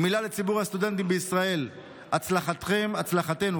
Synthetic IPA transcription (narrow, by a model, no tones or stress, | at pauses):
milale̞t͡sibuʁhast̪ud̪ent̪imbeisʁae̞l | at͡slaχat̪χe̞mat͡slaχat̪e̞nu